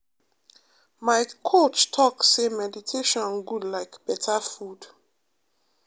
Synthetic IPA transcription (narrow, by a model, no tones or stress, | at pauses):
maɪkʰot͡ʃtʰɔksemɛditʰeʃɔ̃nɡudlaɪkb̥ɛtʰafud̥